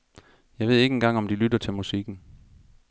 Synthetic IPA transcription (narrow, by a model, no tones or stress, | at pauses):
jɑ̈ɪʋe̝ð̰ˠe̝ɡəe̝nɡ̥ɑ̈ŋ̰ɒ̽md̥ilydɐt͡sʰe̝lmusiɡ̥n̩